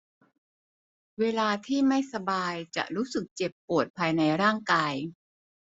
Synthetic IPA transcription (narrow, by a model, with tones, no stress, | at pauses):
weː˧laː˧t̪ʰiː˥˩ma˥˩jsa˧baː˧jt͡ɕa̰˨˩ʔɾuː˦˥sɯ˨˩k̚t͡ɕe˨˩pːu˨˩ət̪̚pʰaː˧jna˧jɾaː˥˩ŋkaː˧j